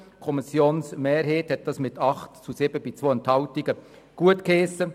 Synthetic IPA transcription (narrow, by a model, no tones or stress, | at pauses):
kʰɔmisjoːnsmeːɾɦeːthɛt̚d̥ɑːsmɪtʰɑχtt͡susɪb̥əb̥it͡sʋoːənthɑltiɡə | ɡ̥uətkeːsə